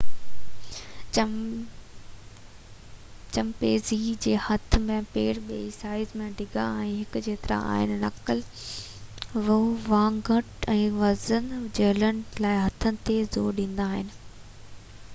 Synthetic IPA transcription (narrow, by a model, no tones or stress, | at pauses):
t͡ɕɐmpeːzid͡ʑeːhɐt̪ʰmẽpeːɽɓeːisaːɪzmẽɖʱɪɡʱa̰ɛ̃ːɦɪkʊd͡ʑeːt̪ɐɾa̰a̰ːɦɪ̰nɪ̆nɐkəl | ʋʊʋãːŋɡəʈɛ̃ːʋɐzənd͡ʑɐːlənɪ̆laːɪɦɐt̪ʰənɪ̆t̪ezoːɗĩːn̆d̪aːɦɪnɪ̆